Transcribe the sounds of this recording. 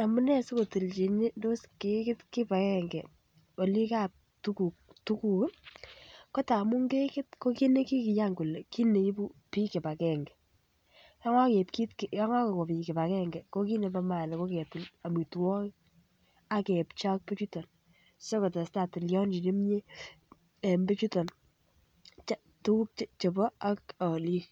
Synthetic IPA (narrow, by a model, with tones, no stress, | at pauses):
a˨mʊ˦nɛ˦sɪ˦ko˨ti˨lt͡ʃi˨ni˦do˦ske˨˦kɪ˦tkɪ˦pa˨kɛ˦ŋɡɛ˨ | o˨li˦ka˦p̚ | tu˦ku˨k̚ | tu˦ku˨k | kɔ˦ta˨mu˦ŋɡe˦kɪ˦t̚ko˦ki˦ne˦ki˦kɪ˨ja˦ŋku˨le˨ki˦ne˨i˦bu˦pi˦ke˨pa˨kɛ˨ŋɡɛ˨ | ja˦ŋa˦ke˨pki˦tkja˦ŋa˦ke˨ko˨pi˨kɛ˨pa˨kɛ˦ŋɡɛ˨ko˦ki˦ne˨pa˦ma˨lɛ˨ko˦kɛ˨tla˨mi˨twɔ˦k | a˦kɛ˨pt͡ʃa˦k̚pe˦t͡ʃu˦tɔ˨n | sɔ˦kɔ˨tɔ˨sta˨tɪ˨ljɔ˦nd͡ʒi˨ne˦mɲe˦ | e˨mbe˦t͡ʃu˦tɔ˨n | t͡ʃa˦ | tu˦ku˦k̚t͡ʃt͡ʃɔ˨pɔ˦a˨kɔ˨li˦k